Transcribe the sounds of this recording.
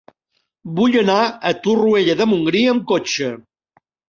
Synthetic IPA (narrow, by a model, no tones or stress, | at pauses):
buʎənaət̪urueʎəðəmuŋɡɾiəmkot͡ʃə